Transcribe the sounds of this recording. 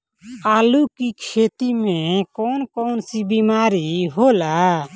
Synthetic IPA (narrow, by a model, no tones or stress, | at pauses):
aːlukikʰet̪imɛ̃kɔnkɔːnsibimaːɾiɦola